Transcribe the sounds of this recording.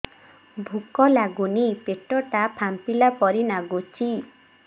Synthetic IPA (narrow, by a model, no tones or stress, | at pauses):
bʱukɔlaɡunipeʈɔʈapʰampilapɔɾinaɡut͡ʃʰi